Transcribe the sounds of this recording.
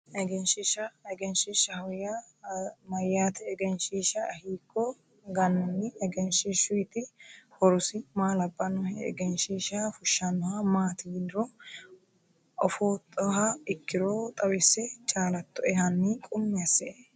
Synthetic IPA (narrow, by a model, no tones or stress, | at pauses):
ʔɛɡɛnʃɪʃɐɛɡɛnʃɪʃɐhɐwja | mɐjːaːt̪ɛɛɡɛnʃiːʃɐhiːkʰːɔ | ɡɐnːɔnːɪɛɡɛnʃiʃʊɪt̪ɪhɔɾʊsɪmaːlɐbːɐnɔhɛɛ̰ɡɛnʃiːʃafʊʃːɐnːɔhɐmaːt̪ɪɡd̪ɪɾɔ | ʔɔfoːt̪ʼɔhaɪkːɪɾoːt̪ʼɐwɪsːɛt͡ʃʼaːlɐt̪ːɔɛhɐnːiːkʼʊmːɪɐsɛ